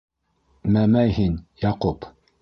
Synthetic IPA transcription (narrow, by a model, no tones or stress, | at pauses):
mæmæjhinjɑqop